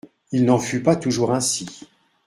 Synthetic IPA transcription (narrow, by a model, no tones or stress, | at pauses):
ilnɑ̃fypat̪uʒuʁɛ̃si